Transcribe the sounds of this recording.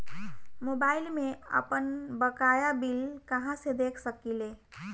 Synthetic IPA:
mobailmeə̰pənbəkajabilkəɦãsed̪ekʰsəkile

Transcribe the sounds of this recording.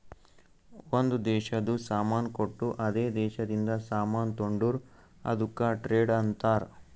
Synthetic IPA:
ond̪ud̪ɛːʃɐd̪usaːmaːnkoʈːuʔɐd̪eːd̪ɛːʃɐd̪ind̪ɐsaːmaːnt̪oɳɖuɾ | ɐ̰d̪ukːaʈɾeːɖɐnt̪aːɾ

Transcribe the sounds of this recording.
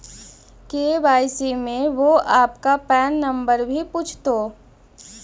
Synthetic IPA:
keːbaːɪsimẽʋoaːpkapɛːnːɐ̃mbəɾbʱipuːt͡ʃʰt̪oː

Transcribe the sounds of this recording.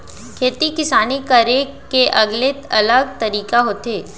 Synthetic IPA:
kʰeːt̪ikɪsaːnikəɾe | keʔɐɡlet̪ɐləɡ̚t̪ɐɾiːkaɦoːt̪eː

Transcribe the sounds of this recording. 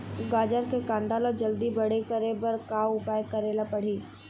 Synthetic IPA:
ɡaːd͡ʒəɾkekãːnd̪alod͡ʒɐld̪ibɐɽ̤ekɐɾebɐɾkaʊpaːjəkɐɾeːlapɐɽ̤iː

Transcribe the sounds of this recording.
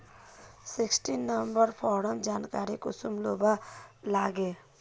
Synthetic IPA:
siksʈinːəmbəɾpʰɔːɾəmd͡ʒaːnkaːɾikʊsumlobalaːɡe

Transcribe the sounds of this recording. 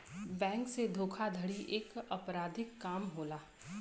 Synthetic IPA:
bɛ̃ːŋksed̪ʱoːkʰad̪ʱəɽiʔeːkɐpɾaːd̪ʱɪkːaːmɦoːlaː

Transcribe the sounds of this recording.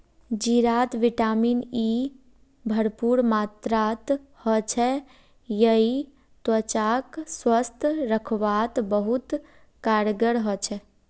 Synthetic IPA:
d͡ʒiɾat̪ʋiʈamini | bʱəɾpuɾmat̪ɾat̪ | hɔt͡ʃʰɛ | jəi | t̪wət͡ʃakswəst̪ʰɾəkʰʋat̪bəɦut̪ | kaɾɡəɾɦɔt͡ʃʰɛ

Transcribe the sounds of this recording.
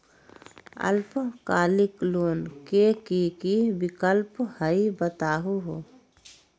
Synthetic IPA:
ə̰lpkaːlikloːnkekikibikəlphəibət̪aːɦuɦo

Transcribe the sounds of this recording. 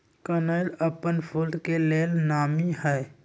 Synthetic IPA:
kənələpənpʰulɖkeleːlnaːmiɦɛː

